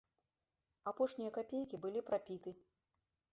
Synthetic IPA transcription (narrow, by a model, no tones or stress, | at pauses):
apɔʂnʲijɐkapʲejkʲibɨlʲipɾapʲit̪ɨ